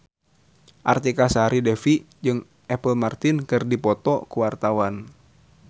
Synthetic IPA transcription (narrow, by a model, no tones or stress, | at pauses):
ʔart̪ikasaɾidɛfi | d͡ʒɨŋ | ʔɛpəlmart̪inkɨrdipɔt̪ɔkuwart̪awan